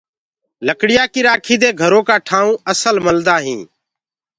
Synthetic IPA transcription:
ləkɽɪjaːkɪɾaːkʰiːd̪eːɡʱəɾoːkaːʈʰaːũːəsəlməld̪aːɦĩː

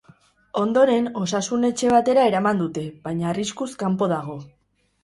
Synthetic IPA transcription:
o̞nd̪o̞ɾe̞no̞sasune̞t͡ʃe̞β̞at̪e̞ɾae̞ɾamand̪ut̪e̞βajɲaːriskuskampo̞ðaɣ̞o̞

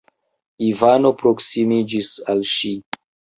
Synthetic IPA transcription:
ivano̞pɾo̞ksimid͡ʒisalʃi

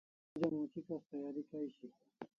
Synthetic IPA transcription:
d͡ʑɐmũːt͡ɕʰikɐst̪ɐjaːɾikaiɕi

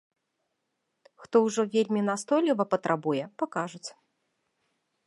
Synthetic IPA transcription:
xt̪ɔwʐɔvʲelʲmʲinast̪ɔjlʲivɐpɐt̪ɾʔabujɛpakaʐut͡sʲ

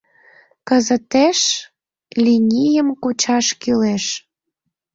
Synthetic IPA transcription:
kəzət̪eʃ | lʲinʲijəmkut͡ɕɑʃkyleʃ

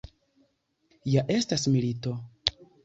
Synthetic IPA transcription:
jaʔe̞stasmilito̞

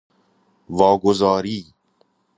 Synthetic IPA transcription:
vɔːɡozɔːɾiː

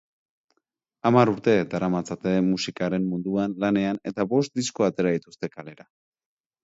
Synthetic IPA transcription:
amaɾuɾt̪e̞d̪aɾamat͡sat̪e̞musikaɾe̞mmund̪uanlane̞ane̞t̪aβo̞st̪̚d̪isko̞at̪e̞ɾaðit̪ust̪e̞kale̞ɾa

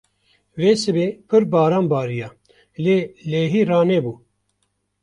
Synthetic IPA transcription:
veːsɨbeːpʰɨɾbɑːɾaːnbɑːɾijaː | leːleːɦiːrɑːneːbuː

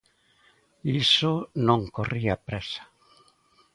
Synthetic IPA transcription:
isʊnõŋkoriapɾɛsḁ

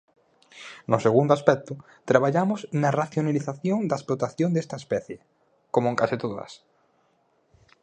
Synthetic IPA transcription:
nʊseɣund̪oaspɛk̚t̪ʊ | t̪ɾaβ̞aʎamʊsnɐraθjonaliθaθjoŋd̪ɐesplot̪aθjond̪est̪ɐespɛθje | komoeŋkasit̪oðɐ̰s

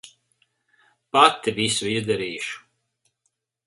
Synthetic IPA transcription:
pat̪ːivʲisuizd̪ɛɾiːʃu̥

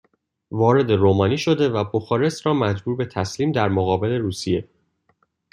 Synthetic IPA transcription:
vɒːɾe̞d̪e̞ɾoːmɒːniːʃo̞d̪e̞væboxɒːɾe̞sɾɒːmæd͡ʒbuːɾbe̞t̪ʰæsliːmd̪æɾmoɣɒːbe̞le̞ɾuːsije̞

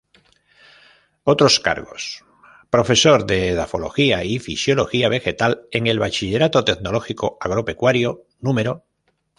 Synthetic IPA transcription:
ot̪ɾo̞ska̰ɾɣo̞̰s | pɾo̞fe̞so̞ɾðe̞ðafo̞lo̞̰xiaifisjo̞lo̞xiaβ̞e̞xet̪ale̞ŋe̞lβat͡ʃiʎe̞ɾat̪o̞t̪etnolo̞xikoaɣ̞ɾo̞pe̞kwaɾjo̞ | nũmeɾo

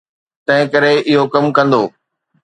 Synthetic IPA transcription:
t̪ɐ̃ɦɪ̃kɐɾeʔɪɦokɐmkɐ̃nd̪oː

